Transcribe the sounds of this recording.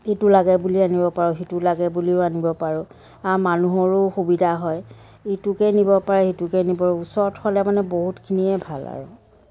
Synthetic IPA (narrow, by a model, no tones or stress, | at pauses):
etulaɡɛbulianibɔpaɹʊxitulaɡɛbuliʊanibɔpaɹʊ | amanuɦɔɹʊxubidʱaɦɔj | itʊkɛnibɔpaɹɛitukɛnibɔɹʊusɔɹtxɔlɛmanɛboɦutkʰiniɛbʱala̰ɹʊ̰